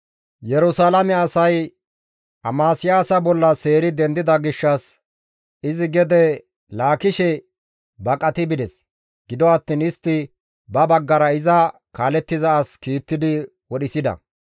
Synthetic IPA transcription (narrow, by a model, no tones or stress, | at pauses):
jɛɾʊsaːlɐmɛɐsɐj | ʔɐmaːsɪjaːsɐbɔlːɐse̞ːɾɪd̪ɛnd̪ɪd̪ɐɡɪʃːɐs | ɪzɪɡɛd̪ɛ | laːkɪʃɛ | bɐkʼɐt̪ɪbɪd̪ɛs | ɡ̥ɪd̪ɔɐt̪ːiːnɪst̪ːɪ | bɐbɐɡːɐɾɐɪzɐkaːlɛt̪ːɪzɐːskiːt̪ːɪd̪ɪ | wɔɗɪsɪd̪ɐ̰